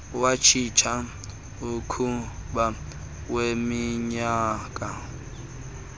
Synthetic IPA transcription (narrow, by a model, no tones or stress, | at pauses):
wat͡ʃʰit͡ʃʰa | ukʰuɓa | wemiɲaːkʼa